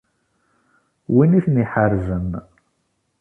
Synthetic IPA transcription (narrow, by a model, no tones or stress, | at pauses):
winiθniħəɾzən